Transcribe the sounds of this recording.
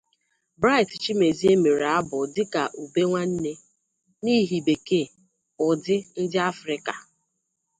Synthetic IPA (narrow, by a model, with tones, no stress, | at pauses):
bɾa˦ɪ˨tt͡ʃi˦me˨zi˦e˦me˨ɾa˦bʊ˨dɪ˦ka˨ʔu˨be˦ŋʷa˦n̩˦ne˦ | ni˦ɦi˨be˨ke˦˨ | ʊ˨dɪ˦n̩˦dɪ˦a˦fɾɪ˦ka˨